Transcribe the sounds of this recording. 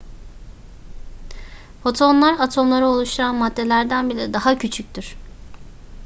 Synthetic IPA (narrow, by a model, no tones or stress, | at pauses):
fo̞t̪ʰo̞nlˠaɾat̪ʰo̞mlˠaɾɯo̞lˠuʃt̪ʰuɾanmad̪ːe̞lʲæɾd̪ænbilʲɛd̪aɦacʰyt͡ʃʰyc̚ʲt̪ʰiɾ̥